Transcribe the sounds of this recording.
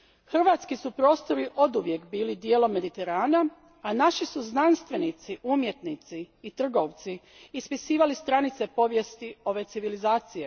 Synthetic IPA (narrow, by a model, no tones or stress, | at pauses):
xr̩ʋat̪skisupɾo̞ːst̪o̞ɾiʔo̞d̪uʋje̞kbiːlid̪je̞ːlo̞mːe̞d̪it̪e̞ɾaːna | anaʃisuznanst̪ʋe̞nit̪siʔumje̞t̪nit̪siːt̪r̩ɡo̞ʋt̪siː | spisiːʋalist̪ɾanit̪se̞po̞ʋje̞st̪io̞ʋe̞t̪siʋilizaːt̪sije̞